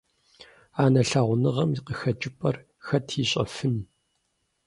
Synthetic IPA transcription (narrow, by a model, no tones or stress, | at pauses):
aːnɐɬaːʁʷʊnɨʁɐmiqəxɐt͡ʃʼɪpʼɐr | xɐtʰiːɕʼɐ̰fɨn